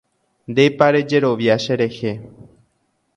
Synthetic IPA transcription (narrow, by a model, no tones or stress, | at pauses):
nd̪e̞jpaɾe̞d͡ʒe̞ɾo̞ʋjaʃeɾe̞he̞